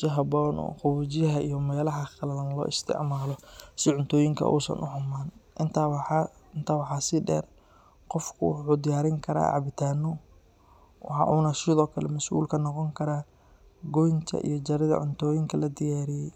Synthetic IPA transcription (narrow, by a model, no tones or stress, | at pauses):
t͡ʃɐɦɐbɔːnɔ̰ːχʊβuːt͡ʃɪjɐɦɐʔijɔmɛːlɐɦɐχɐlɐðɐnlɔ̰ːʔɪst̪ʰɪ̰ʕmaːlɔsɪʕʊnt̪ʰɔːjɪŋkʰɐ̰ʔṵːsɐ̰nʔʊħʊmaːnʔɪnt̪ʰawɪnt̪ʰaːwɑħɑːsɪɖɛ̰ːr | qɔfkʰʊ̰wʊħuːd̪ɪjaːɾɪŋkʰɐɾa̰ːʕɑ̰βɪt̪ʰaːnːɔ | wɑħɑ̰ʔuːnɐsɪðɔːkʰɐlɛmɐsʔṵːlkʰɐnɔqɔŋkʰɐɾaː | ɡɔjnt̪ʰɐ̰ʔḭjɞt͡ʃɐɾɪðɐ̰ʕʊnt̪ʰɔːjɪŋkʰɐlɐd̪ɪjaːɾɪjɛj